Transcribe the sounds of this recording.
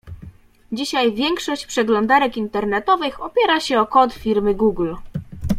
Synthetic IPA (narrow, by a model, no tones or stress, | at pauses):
d͡ʑiɕajvʲjɛŋkʂɔɕt͡ɕpʂɛɡlɔnd̪aɾɛkint̪ɛɾnɛt̪ɔvɘxɔpʲjɛɾaɕɛɔkɔt̪fʲiɾmɘɡuɡl